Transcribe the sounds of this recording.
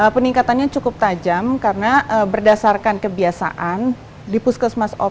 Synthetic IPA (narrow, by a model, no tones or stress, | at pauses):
əpəniŋkat̪anɲat͡ʃukʊp̚t̪ad͡ʒamkarənaəbərdasarkankəbiasa̰ʔan | dipuskəsmasɔ̰